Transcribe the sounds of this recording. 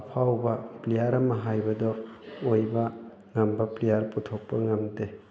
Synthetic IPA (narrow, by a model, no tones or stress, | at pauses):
pʰawbaplejaɾamaɦajbɐdɔojba | ŋambaplijaɾputʰok̚paŋamde